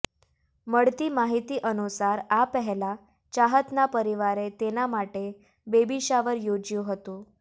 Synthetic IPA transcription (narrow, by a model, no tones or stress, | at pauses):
məɽt̪iːmaɦit̪iːʔənusaɾapəɦla | t͡ɕaɦət̪napəɾiʋaɾet̪enamaʈe | bebiɕaʋəɾjod͡ʑjuɦət̪ũ